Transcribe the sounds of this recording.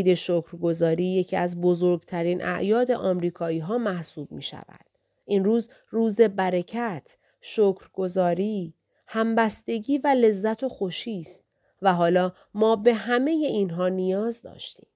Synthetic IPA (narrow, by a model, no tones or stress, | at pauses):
d̪e̞ʃokʰɾɡo̞zɒːɾiːje̞cʰiæzbo̞zoɾɡt̪ʰæɾiːnʔæ̰ʔjɒːd̪eʔɒːmɾiːkʰɒːiːɦɒːmæhsuːb̥̚mḭːʃæ̰væ̰d̪̥ | ʔinruːz | ruːze̞bæɾecʰæt̪ʰ | ʃoːkʰɾɡ̥o̞zɒːɾiː | hæmbæst̪e̞ɟiːvæle̞zːæt̪ʰo̞xo̞ʃiːst̪ | væɦɒːlɒː | mɒːbe̞ɦæme̞je̞inɦɒːnijɒːzd̪ɒ̰ːʃt̪iːm